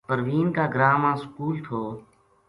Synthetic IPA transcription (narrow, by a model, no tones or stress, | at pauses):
pəɾʋiːnkaːɡɾaːmãːskuːlt̪ʰoː